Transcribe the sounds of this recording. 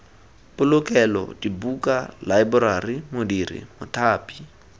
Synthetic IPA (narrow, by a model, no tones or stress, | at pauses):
pʊlʊkʼɛlɔ̰dibukʼalaɪbʊɾarimodirḭmʊtʰaːpʼi